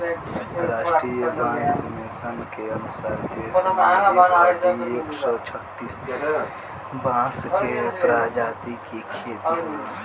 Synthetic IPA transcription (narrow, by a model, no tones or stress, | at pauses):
ɾaːʃʈɾiːjəbãːsmẽsəmkeənʊsaɾt̪eː | ieːksɔt͡ʃʰət̪iːst̪ | bãːskepɾaːd͡ʒaːt̪ikikʰeːt̪i